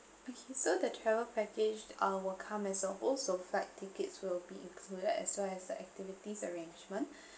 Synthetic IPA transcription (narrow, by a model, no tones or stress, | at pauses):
okʰesodətʰɹɛvəpɛked͡ʒawɪlkʰãmɛsɔʔɔlsoflɛk̚tʰikətswɪlbiḭ̃ŋkʰludədɛ̰swɛɛsdəʔɛ̰k̚tivitisəɹẽnd͡ʒmə̃nʔ